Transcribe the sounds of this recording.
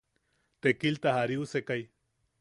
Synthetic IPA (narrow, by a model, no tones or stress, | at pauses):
t̪ekilt̪ahaɾiusekaj